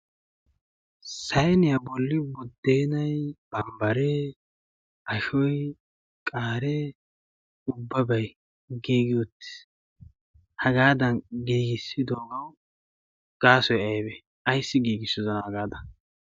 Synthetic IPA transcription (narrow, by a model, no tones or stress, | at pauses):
sɐjnɪjabɔlːɪbʊd̪ːeːnɐjb̥ɐmbɐɾɛ | ʔɐʃɔj | kʼaːɾɛ | ʊbːɐbɐj | ɡiːɡɪɔt̪ːɪ̥s | hɐɡaːd̪ɐnɡiːɡɪsːɪd̪oːɡɐw | ɡ̥aːsɔjɐjbɛ | ɐjsːɪɡiːɡɪsːɪzɐnɐhɐɡaːd̪ɐ